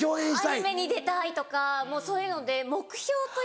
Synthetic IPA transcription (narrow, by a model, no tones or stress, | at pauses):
oːẽɕi̥t̪aime̞ɲ̟id̪e̞t̪ait̪o̞kamo̞ːso̞ːjɯ̟no̞d̪e̞mo̞kɯ̟̥ço̞ːt̪o